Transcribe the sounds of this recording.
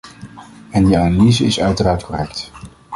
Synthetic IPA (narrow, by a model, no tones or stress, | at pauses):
ɛndiaːnalizəɪsœɥtəraːɹtkɔrɛkt